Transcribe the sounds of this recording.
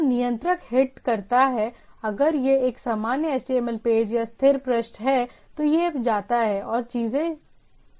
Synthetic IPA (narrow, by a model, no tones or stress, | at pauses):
nijə̃nt̪ɾəkɦɪʈkɐɾt̪aɦɛɐɡəɾjeeːksamaːnjəɛsʈeːməlpeːd͡ʒjast̪ʰɪɾpɾəʃnɦɛt̪ojebd͡ʒaːt̪aɦɛʔɔːɾt͡ʃiːzẽ